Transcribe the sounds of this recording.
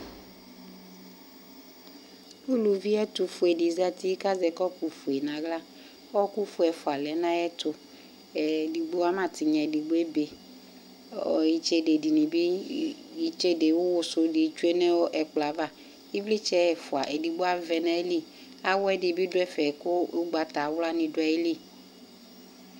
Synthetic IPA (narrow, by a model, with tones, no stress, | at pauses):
u˦lu˨vi˦ɛ˦t̪u˨fu˨e˨di˨za˦t̪i˦ka˦zɛ˨kɔ˦ku˨fu˨e˨nã˨ɡla˦ | ɔ˦ku˦fu˨ɛ˨fo˨a˨lɛ˨˦nã˦ɛ˦t̪ʊ˨ | ɛ˨di˨ɡ͡bo˦a˦mã˨t̪i˨ɲɛ̃˨di˨ɡ͡bo˦e˦be˨ | ɔ˨ji˨t͡ʃe˦de˨di˨nĩ˨bi˦ji˨˦t͡ʃe˦de˨wo˦wʊ˨so˦di˨˦t͡ʃu˦e˦nɛ̃˦wo˦ʔɛ˨k͡pla˨va˦ | i˦vli˦t͡ʃɛ˦˨fʊ˨a˨ʔɛ˨di˨ɡ͡bo˦a˦vɛ˨nã˦e˦li˦ | a˦wɛ˦di˨bi˦dʊ˦ɛ˦fɛ˨kʊ˦ɡ͡ba˨t̪a˨˦wla˦nĩ˨dʊ˨˦ɛ˨e˦li˦